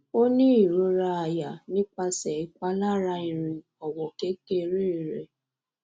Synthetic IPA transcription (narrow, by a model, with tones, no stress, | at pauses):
o˦nĩ˦i˦˨ɾo˧ɾa˧a˨ja˨nĩ˦k͡pa˧sɛ˨i˨k͡pa˧˦la˦ɾa˧˦ĩ˨ɾ̃ĩ˨ | ɔ˨wɔ˨ke˦ke˦˧ɾe˦˨ɾɛ˨